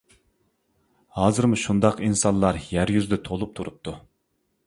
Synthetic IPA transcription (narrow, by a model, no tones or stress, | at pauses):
hɑːzɨɾmuʃund̪ɑqinsɑnlˠɑɾjæɾjyzd̪ɛt̪ʰolˠup̚t̪ʰuɾup̚t̪ʰu